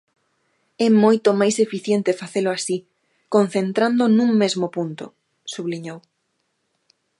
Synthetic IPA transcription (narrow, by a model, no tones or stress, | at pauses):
ɛmojt̪omajsefiθjent̪efaθelʊasi | kõn̟θent̪ɾand̪onũŋmezmopunt̪o̰ | suβliɲow